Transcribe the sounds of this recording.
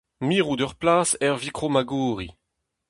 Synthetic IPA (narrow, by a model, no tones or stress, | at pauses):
miːʁud̪œʁplaːsɛʁvikχomaɡuːʁi